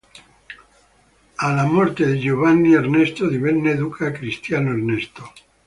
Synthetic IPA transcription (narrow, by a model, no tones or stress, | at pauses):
alamoɾt̪eðeʝoβanːieɾnest̪oðiβennːeðukʰakɾist̪janoeɾnest̪o